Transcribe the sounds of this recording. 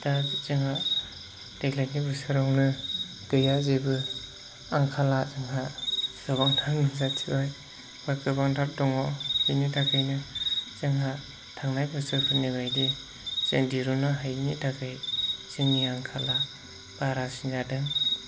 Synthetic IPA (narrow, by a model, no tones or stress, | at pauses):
dat͡ʃɯŋɦa | d̥eklak̚nibɯsɯɾɔwnɯ | ɡ̥ɯjazebɯ | aŋkʰalazɯŋɦasɯbaŋtʰamniŋzatʰibaj | wakɯbaŋdʰap̚dɔŋɔzinitʰakʰɯjnɯt͡ʃɯŋɦa | tʰaŋnajbɯsɯpʰɯnibajdi | zeŋdiɾunɯɦajnitʰakʰɯjt͡ʃɯŋːiaŋkʰala | b̥aɾasinzadɯŋ